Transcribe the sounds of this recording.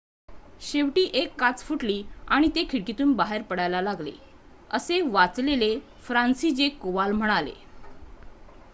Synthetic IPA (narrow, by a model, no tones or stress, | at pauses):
ɕeʋʈiːʔekːat͡sfuʈliːaɽ̃it̪ekʰiɽkit̪uːnbaɦeɾpəɽajlalaɡlḛ | əseʋat͡slele | fɾansid͡ʑekoʋalm̤əɽ̃alḛ